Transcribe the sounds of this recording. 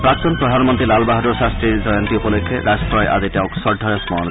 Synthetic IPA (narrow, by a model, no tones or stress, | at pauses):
pɾakt̪ɔnpɾɔd̪ʱanmɔnt̪ɾilalbaɦaɾoʃast̪ɾiɾd͡ʒɔjɔnt̪iupolekʰːeɾaskɾɔjʔa̰d̪iʈɛwksɔɖʱɔjɔsmɔɔn